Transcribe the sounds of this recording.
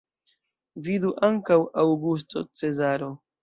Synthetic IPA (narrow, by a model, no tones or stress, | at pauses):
viduʔaŋkawawɡus̬to̞̰t͡se̞zaɾo̞